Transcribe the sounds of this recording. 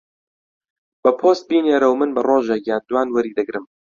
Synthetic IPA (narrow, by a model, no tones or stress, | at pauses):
b̥ɐpʰoːst̪̚biːneːɾəwmɨnbɐroːʒekjaːnd̪waːnwɐɾiːd̪ɨɡɾɨm